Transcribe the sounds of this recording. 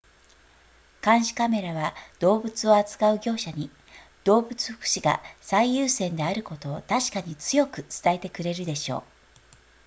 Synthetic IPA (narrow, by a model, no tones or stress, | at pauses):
kãɰ̃ɕi̥kame̞ɾaβad̪̥o̞ːbɯ̟t͡sɨo̞at͡sɨ̥kaɯ̟ɡʲo̞ːɕaɲ̟i | d̪̥o̞ːbɯ̟t͡sɨ̥ɸɯ̥kɯ̟̥ɕiɡa̰saijɯːsẽ̞nd̪e̞aɾɯ̟ko̞t̪o̞ːt̪aɕi̥kaɲ̟it͡sɨjo̞kɯ̟t͡sɨ̥t̪ae̞t̪e̞kɯ̟ɾe̞ɾɯ̟d̪e̞ɕo̞̰ː